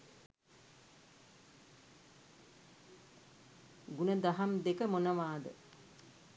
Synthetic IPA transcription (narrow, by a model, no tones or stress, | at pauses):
ɡunəd̪aɦamd̪ekəmonəʋaːd̪ə̰